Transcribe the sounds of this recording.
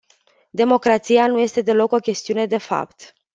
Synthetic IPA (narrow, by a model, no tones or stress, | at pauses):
d̪e̞mo̞kɾat̪sijanuje̞st̪e̞d̪e̞lo̞ko̞kʲe̞st̪iune̞d̪e̞fa̰pt̪